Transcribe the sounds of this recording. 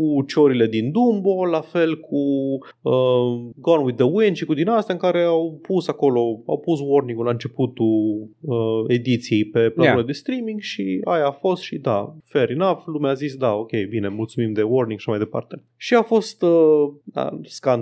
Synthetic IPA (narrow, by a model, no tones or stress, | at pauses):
kut͡ʃoɾile̞d̪ind̪umbo̞lafe̞lkʰu | əɡonwiðəwinʃikud̪inast̪jaɨŋkaɾe̞awpusako̞lo̞a̰wpuswo̞rnĩŋɡulaɨnt͡ʃe̞put̪uəe̞d̪it̪sijejpe̞planuɾed̪e̞st̪ɾimiŋɡʃiajaːfo̞st̪ʃid̪a̰feɾinaflumeazisd̪ao̞kʲe̞jbine̞mult̪sumimd̪e̞worniŋɡʃaʃamajd̪e̞pa̰rt̪e̞ | ʃiafo̞st̪əa̰skan